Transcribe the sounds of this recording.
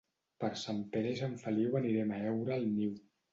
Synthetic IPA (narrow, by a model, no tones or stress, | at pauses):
pəɾsampeɾezəɱfəliwəniɾɛmaɛwɾəːlˠniw